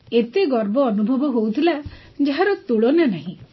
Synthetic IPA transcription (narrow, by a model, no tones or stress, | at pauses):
et̪eɡɔɾbɔːnubʱɔbɔɦowt̪ʰila | d͡ʒaɦaɾɔt̪uɭonanaɦĩ